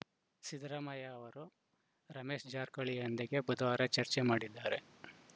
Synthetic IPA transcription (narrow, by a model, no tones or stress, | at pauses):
sid̪ɾɐmɐjaːʋɐɾu | ɾɐmeːʂd͡ʒaːɾkɐɭiɐnd̪eɡe̞bud̪ɐʋaːɾɐt͡ʃɐɾt͡ʃemaːɽid̪ːaːɾe̞